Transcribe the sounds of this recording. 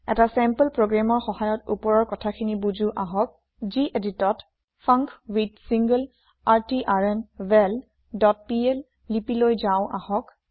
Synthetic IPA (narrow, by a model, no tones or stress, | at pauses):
ɛ̰tasɛmpəlpɹoɡɹamɔɹxɔhajɔtupɔɹɔɹkɔtʰakʰinibud͡ʒuʔaɦɔk̚ | ziʔeditɔt | fʰaŋkwitsiŋɡəl | aɹtiʔaɹɛnbɛl | dɔt̚piɛlː | ipilojzaʊ̃ʔahɔk